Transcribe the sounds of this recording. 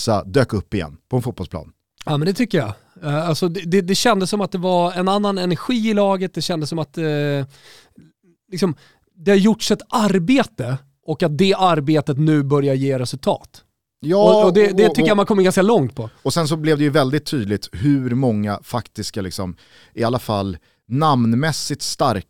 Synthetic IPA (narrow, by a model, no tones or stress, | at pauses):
sad̪øːkɵpːɪjɛ̰nːpʰɔɛnfuːt̪bɔlsplɑ̰ːn | aːmɛnd̪ɛt̪ʰʏkːəja̰ | alsɔd̪ɛd̪ɛd̪ɛɕɛnd̪əsːɔmat̪̚d̪ɛvaɾɛnanːanɛnæɾɧiːɪlɑːɡət̪̚d̪ɛɕɛnd̪əsːɔmat̪ | lɪksɔm | d̪ɛhajʊʈːʂɛt̪aɾbeːt̪ə | ʔɔkːat̪̚d̪ɛʔaɾbeːt̪ət̪nʉ̟ːbœɾjajeːɾɛsɵlt̪ʰɑ̰ːt̪ | jɔɔd̪ɛd̪ɛt̪ʏːəjamankʰɔmːɡanskalɔŋt̪̚pʰɔɔsɛns̬ɔblɛvd̪ɛjɵvɛld̪ɪt̪ʰːyːd̪lɪt̪hɵɾmɔŋːa̰fakt̪ɪskalɪ̰ksɔ̰m | ʔɪalːafa̰lː | namnmɛsːɪt̪st̪aɾk